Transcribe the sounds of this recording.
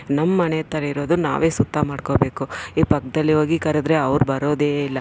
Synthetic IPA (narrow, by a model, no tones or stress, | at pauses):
nɐmːɐnejɐt̪ɐɾɐiɾo̞ːd̪una̰ːʋe̞ːsut̪ʰːamaːɖkobe̞ːkuiːpɐk̚ːd̪ɐlːiɦoːɡikɐɾed̪ɾe̞ɐʋɾbɐɾoːd̪eːilːɐ